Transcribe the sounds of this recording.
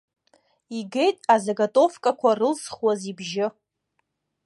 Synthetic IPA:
iɡe̞jtʼazaɡatʼo̞fkʼakʷarɨlsχwazibʒɪ

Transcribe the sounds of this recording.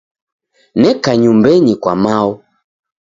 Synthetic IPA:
nɛkaɲumbɛɲikwamaɔ

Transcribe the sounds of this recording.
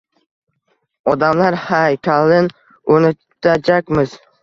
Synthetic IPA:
ɒd̪amlaɾhajkʲʰalɪn | onɪ | t̪ʰːad͡ʒakʲmɪz

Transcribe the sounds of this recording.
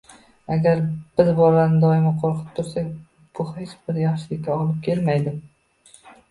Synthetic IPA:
aɡʲaɾb̥ɪzbɒɾanɪd̪ɒɪmɪqʰoɾqʰɨ̥p̚t̪ʰʊɾsak̚ʲ | b̥ʊhet͡ʃbɪɾjaχʃɪlɪkʲkʲːaɒlɪp̚kʲʰe̞lmajd̪ɪm

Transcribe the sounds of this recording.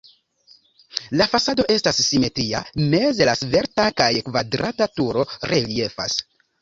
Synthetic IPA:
lafasado̞ʔe̞stasːime̞tɾia̰me̞zelasve̞ɾtakajkvadɾatatuɾo̞ɾʔelie̞fa̰s

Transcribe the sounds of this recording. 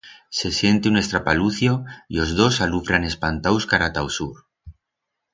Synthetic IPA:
se̞sje̞nt̪eune̞st̪ɾapaluθjo̞io̞zðo̞salufɾane̞spant̪awskaɾat̪awsuɾ

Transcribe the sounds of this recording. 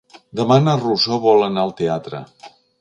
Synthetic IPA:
d̪əmanərusoβɔlˠənaəlˠt̪eat̪ɾə̰

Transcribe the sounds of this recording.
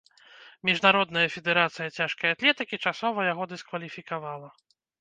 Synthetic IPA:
mʲiʐnaɾɔd̪nɐjɐfʲɛd̪ɛɾat̪sɨjɐt͡sʲaʂkɐjat̪lʲɛt̪ɨkʲit͡ʂasɔvɐjaɣɔd̪ɨskvɐlʲifʲikavalˠɐ

